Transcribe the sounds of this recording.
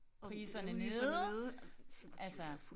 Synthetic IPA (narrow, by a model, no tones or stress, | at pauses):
ʁiːsɐnəne̝ːðˠ | ʔælsə